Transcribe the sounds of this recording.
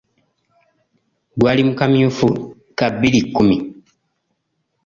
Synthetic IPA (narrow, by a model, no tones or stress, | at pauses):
ɡwaːlimukamiufu | kabːilikːumi